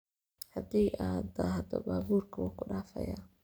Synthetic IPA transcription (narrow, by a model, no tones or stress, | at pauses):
hɐd̪iːʔaːd̪ahd̪ɔbaːβuːrkʰɐwʊkʰʊɖaːfɐ̰ja̰ː